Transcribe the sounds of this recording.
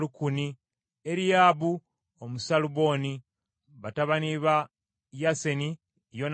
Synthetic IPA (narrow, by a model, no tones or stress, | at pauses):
lukuni | eɾijaːβu | omusaluβo̞ːni | βataβaniβa | jase̞ni | jon